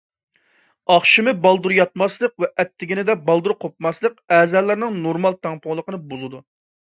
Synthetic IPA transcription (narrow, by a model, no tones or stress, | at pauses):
ɑχʃimɨbɑlˠd̪uɾjɑt̪̚mɑslˠəqvɛʔɛt̪ʰːɪɡʲinɪd̪ɛbɑlˠd̪uɾqʰop̚mɑslˠəqɛːzɛlːæɾnɪŋnoɾmɑlˠt̪ʰɑŋpʰʊŋlˠəqənɨbuzɨd̪u